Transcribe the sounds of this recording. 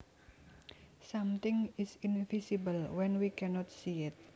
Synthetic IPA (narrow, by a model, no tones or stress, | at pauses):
samt̪ɪŋɪsɪnvisibəlwɛnwikʰɛnɔt̪̚siɪt̪̚